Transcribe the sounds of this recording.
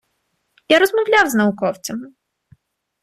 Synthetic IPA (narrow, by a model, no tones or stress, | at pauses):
jaɾɔzmɔwlʲawznɐʊkɔwt͡sʲɔmɪ